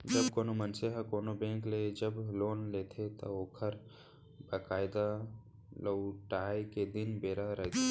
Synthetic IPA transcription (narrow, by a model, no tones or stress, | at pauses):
d͡ʒəbkonomənseɦəkoːnobẽŋkled͡ʒəbloːnlet̪ʰet̪əoːkʰəɾ | bakaɪd̪a | ləwʈaːjked̪inbeɾaɾəɦt̪ʰe